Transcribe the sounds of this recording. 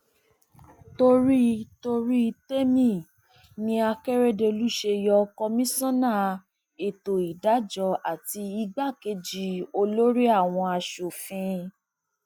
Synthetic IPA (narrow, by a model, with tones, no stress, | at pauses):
to˧ɾi˦to˧ɾi˦˧te˦mĩ˦˨ | nĩ˧a˧kɛ˦ɾe˦de˧lu˦ʃe˧jɔ˧kɔ˧mĩ˦sɔ̃˦nã˦˨ | e˨to˨i˨da˨˦d͡ʒɔ˧˦a˨ti˧i˧ɡ͡ba˦˨ke˧d͡ʒi˧o˧lo˦ɾi˦a˦˨w̃ɔ̃˧a˧ʃo˨fĩ˧